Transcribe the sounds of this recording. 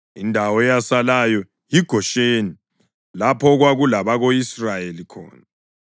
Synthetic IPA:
indʱawɔɛjasalajɔ | jiɡ̥ʱɔʃeːni | lapʰɔɣwaɣulaβaɣoisrajelikʰɔ̰ːna

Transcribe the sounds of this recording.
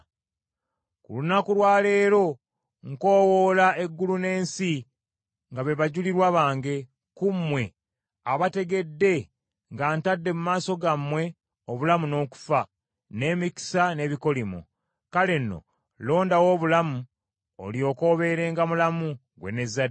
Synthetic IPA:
kṵlunakuɾwaːle̞ːɾo̞ | ŋko̞ːwoːlae̞ɡːulune̞ːnsi | ŋɡaβe̞βaɟuliɾwaβaːŋɡe̞ | kumːwe̞ | aβate̞ɡe̞dːe̞ | ŋɡaːntadːe̞mumaːso̞ɡamwe̞ | oβulamuno̞ːku̥fa | ne̞ːmiki̥sane̞ːβiko̞limṵ | kale̞nːo̞̰ | lo̞ːndawo̞ːβulamu | o̰lio̞ko̞ːβe̞ɾe̞ːŋɡamulamu | ɡwe̞̰ne̞zːad

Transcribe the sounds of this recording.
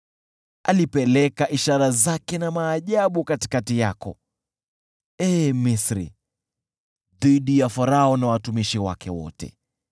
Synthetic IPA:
a̰lipɛlɛkaʔiʃaɾazakɛnamaːʄaɓukati̥katijakɔ̰ | ɛmisɾḭ | ðiɗijafaɾaɔnawatumiʃiwa̰kʰɛ̰wɔ̰tɛ̰

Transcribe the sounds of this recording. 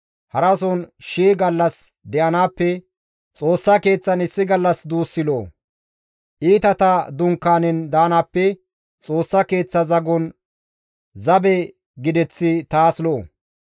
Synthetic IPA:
hɐɾɐsɔnʃiːɡɐlːɐs | d̪ɛʔɐnaːpːɛ | t͡sʼo̞ːsːɐke̞ːt͡sːɐnɪsːɪɡɐlːɐsd̪uːsːɪloː | ʔiːt̪ɐt̪ɐd̪ʊŋkːaːnɛnd̪aːnaːpːɛ | t͡sʼo̞ːsːɐke̞ːt͡sːɐzɐɡɔn | zɐbɛ | ɡɪd̪ɛt͡sːɪt̪aːsloː

